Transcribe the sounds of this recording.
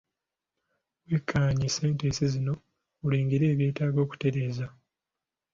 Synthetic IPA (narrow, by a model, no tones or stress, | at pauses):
wekʰːaɲise̞ːntesizino̞ | uleːŋɡiɾe̞ːβje̞ːtaːɡo̞ːku̥te̞ɾe̞ːza